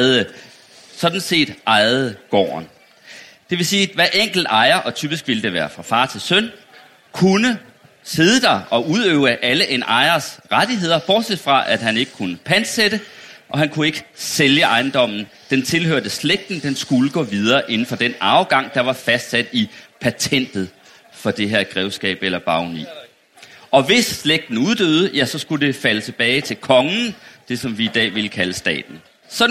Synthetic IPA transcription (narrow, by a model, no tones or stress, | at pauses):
ðˠə | sɒ̽d̥n̩se̝̰ːd̥ʔɑ̈ɪð̩ˠɡ̥ɒ̰ːn | d̥e̝ʋe̝siːʋæʔeŋ̰ɡ̥l̩d̥ɑ̈ɪɐʔɒ̽t͡sʰyːb̥isɡ̥ʋild̥e̝ʋæːɐfʁɑ̈fɑ̈ːt͡sʰe̝lsœn | kʰunə | se̝ðˠəd̥ɑ̈ɪɒ̽ʔuðˠøʊəʔæləʔe̝nɑ̈ɪɐsʁad̥iɦe̝ð̞̰ˠɐb̥ɒːd̥sed̥fʁɑ̈ʔæd̥ɦæne̝ɡ̥əkʰunəpʰæn̥seɾ̥əʔɒ̽ɦænkʰue̝ɡ̥əseljəʔɑ̈ɪnd̥ɒ̽m̰n̩ | d̥ent͡sʰe̝lhøɐ̰d̥əsleɡ̥̚d̥n̩d̥ensɡ̥uləɡ̥ɔ̰ːʋið̞ˠɐːʔe̝nn̩fɒ̽d̥enɑ̈ʊɡ̥ɑ̈ŋ̰d̥ɑ̈ʋɑ̈fæsd̥sæd̥ipʰæt͡sʰen̰d̥ð̩ˠ | fɒ̽d̥e̝ɦeɐɡ̥ʁɛʊsɡ̥ɛ̰ːb̥elɐb̥ɑ̈ʊnḭː | ɒ̽ʋe̝sːleɡ̥̚d̥n̩uðˠd̥øːð̞̩ˠəjæsɒ̽sɡ̥ud̥e̝fælət͡sʰe̝b̥ɛːɪt͡sʰe̝lkʰɒ̽ŋən̩d̥e̝sɒ̽mʋiːd̥ɛ̰ːʋeləkʰæləsd̥ɛ̰ːd̥n̩ | sɒ̽